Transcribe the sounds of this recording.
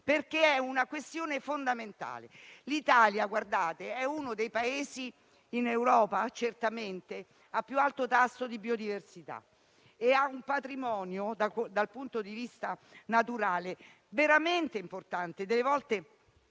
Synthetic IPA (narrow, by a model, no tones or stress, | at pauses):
perkeɛunakwest̪joːnefond̪ament̪a̰ːlelit̪aːljaɡward̪aːt̪eɛunod̪ejpaeːziː | newɾɔːpat͡ʃert̪ament̪e | apːjualt̪ot̪asːod̪ibiod̪iversit̪a̰ | eaumpat̪ɾimɔːnjod̪ad̪alpunt̪od̪ivist̪anat̪uɾaːle | veɾament̪eimport̪ant̪ed̪elːevɔlt̪e